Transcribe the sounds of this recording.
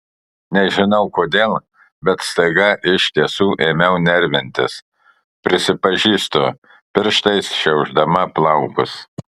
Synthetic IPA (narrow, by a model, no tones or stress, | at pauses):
nʲɛʒʲɪnɐʊkoːd̪ʲeːlˠ | bʲɛt̪st̪ɐɡɐʔɪʃʲt̪ʲiɛsuːʔeːmʲɛʊnʲɛɾʲʋʲɪnʲt̪ʲɪ̰s | pʲɾʲɪsʲɪpɐʒʲiːst̪o | pʲɪɾʃt̪ɐɪsʃʲɛʊʒd̪ɐmɐplˠɐʊkʊs